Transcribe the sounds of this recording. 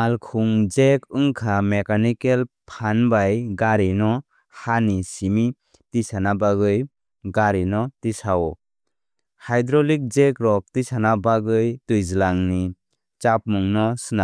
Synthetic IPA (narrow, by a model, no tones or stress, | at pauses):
alkʰuŋzekʰɯŋkʰamekanikelpʰanbajɡaɾinɔ | hanisimi | tisanabaɡɯj | ɡaɾinɔtisaw | hajdɾɔlik̚zekɾɔk̚tisanabaɡɯjtɯjzɯlaŋni | t͡ʃap̚muŋnɔsɯna